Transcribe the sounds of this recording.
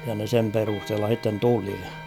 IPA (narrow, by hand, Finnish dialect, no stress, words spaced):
jɑ ne sem perusthelːɑ h̞itːen tuli